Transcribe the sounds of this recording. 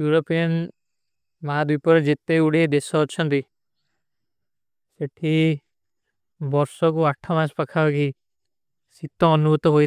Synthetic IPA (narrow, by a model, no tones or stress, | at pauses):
juɾopijɔn | mad̪wipɔɾed͡ʒet̪euɽed̪esɔɔt͡ʃʰɔnt̪i | seʈʰi | bɔɾsɔkuaʈʰɔmãspakʰaɔki | sit̪ɔːnubut̪ɔɦoj